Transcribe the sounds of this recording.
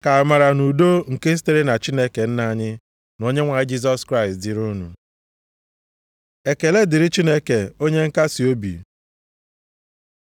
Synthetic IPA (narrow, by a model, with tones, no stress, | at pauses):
ka˨a˨ma˨ɾa˨nu˨do˦ŋ̩˨ke˦ste˦ɾe˦na˨t͡ʃi˦ne˦ke˨n̩˦na˦ɲɪ˦ | no˦ɲe˦ŋʷa˨jɪ˦d͡ʒi˦z̬ɔ˦skɾa˦ɪ˨stdɪ˨ɾu˦nṵ˨ | e˨ke˨le˦dɪ˨ɾɪ˦t͡ʃi˦ne˦ke˨o˦ɲe˦ŋ̩˦ka˦si˨o˦bḭ˨